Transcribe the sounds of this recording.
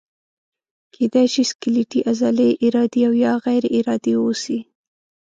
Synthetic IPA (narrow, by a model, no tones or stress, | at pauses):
kʰed̪ajʃiskɪliʈiʔazɑleʔɪɾɑd̪eawjɑɣajɾʔɪɾɑd̪ewosi